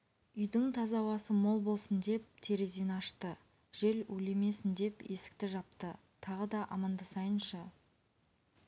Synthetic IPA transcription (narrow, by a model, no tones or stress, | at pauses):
ʏjd̪ɪŋt̪ʰɑzɑwɑsəmo̞lˠbo̞lˠsənd̪e̞p̚t̪ʰe̞ɾezenɑʃt̪ə | ʒ̥e̞lɵle̞me̞sɪnd̪e̞pe̞sɪ̥k̚t̪ɪʒɑpt̪ə | t̪ʰɑʁəd̪ɑʔɑmɑnd̪əsɑjənʃɑ